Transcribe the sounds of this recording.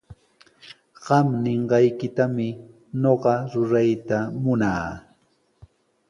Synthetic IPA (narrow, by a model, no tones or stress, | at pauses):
ɢɑmnɪɴɢɑjkɪt̪amɪ | noɢɑɾʊɾajt̪amʊnaː